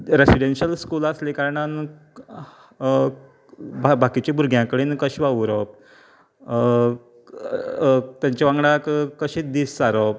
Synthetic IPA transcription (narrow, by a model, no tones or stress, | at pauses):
ɾesiɽenɕəlskulaslekaɾəɳan | bʱbʱakit͡ɕebʱuɾɡʱjãkəɽiːnkəɕʋaʋɾɔp̚ | t̪jaɲt͡ɕaʋãŋɡɽakkəɕed̪isːaɾɔp̚